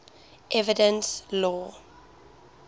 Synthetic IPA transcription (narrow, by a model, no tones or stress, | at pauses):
ʔɛvɪdə̃nslɔː